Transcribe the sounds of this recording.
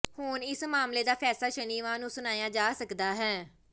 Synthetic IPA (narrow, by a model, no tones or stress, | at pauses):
hʊnɪsmaːmleːd̪aːpʰɛːsaːʃəniːʋãːnũːsʊnaːjãːd͡ʒaːsəkd̪aːɦɛː